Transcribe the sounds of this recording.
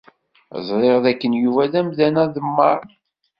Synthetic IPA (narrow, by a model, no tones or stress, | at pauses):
zˤɾˤeʁðækːənjuvæðæmðænæðəmːɑɾˤ